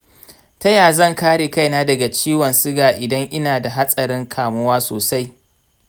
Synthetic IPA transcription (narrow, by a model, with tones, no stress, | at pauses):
tɐ˦jaː˨zɐ˦˨ŋkaː˦ɽeː˨ka˦jnaː˦dɐ˨ɡa˨t͡ʃiː˦wɐ˨nsɪ˦ɡaː˨ʔɪ˨dɐ˦ŋʔɪ˦naː˨da˨ɦa˦sʼɐ˨ɾɪ˦ŋkʰaː˨mʊ˦waː˦soː˨sa˦j